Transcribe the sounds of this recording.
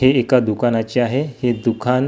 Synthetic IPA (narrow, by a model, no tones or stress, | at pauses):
ɦeːkad̪ukʰanat͡ɕeaɦehed̪ukʰan